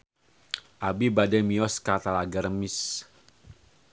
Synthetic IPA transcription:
ʔabibadɛmiɔskat̪alaɡəɾmis

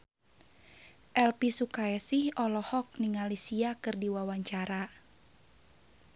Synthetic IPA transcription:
ʔɛlpisukaɛsihɔlɔhɔk̚niŋalisiakɨrdiwawaɲt͡ʃaɾa

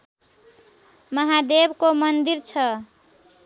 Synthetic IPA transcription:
mʌɦad̪ebkomʌnd̪iɾt͡ʃʰʌ

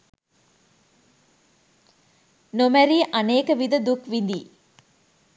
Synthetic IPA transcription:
nomæɾiːʔɐneːkəʋid̪əd̪ukʋind̪iː

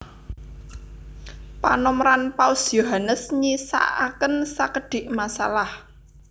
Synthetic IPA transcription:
pa̰nɔmɾanpausjoɦanəsɲisa̰ʔakənsakəɖ̥ɪ̤ʔmasa̰lah

